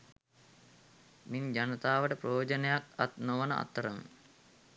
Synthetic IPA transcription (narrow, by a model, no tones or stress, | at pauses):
miɲd͡ʒanət̪aːʋəʈəprojoːd͡ʒənejakat̪noʋənəʔa̰t̪ːəɾəm